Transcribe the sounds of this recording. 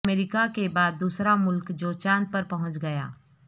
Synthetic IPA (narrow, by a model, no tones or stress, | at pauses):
meːɾɪkakebaːd̪ːuːsɾamʊlkd͡ʒoːt͡ʃãːnd̪̚pɐɾpɐɦʊ̃t͡ʃɡɐja̰ː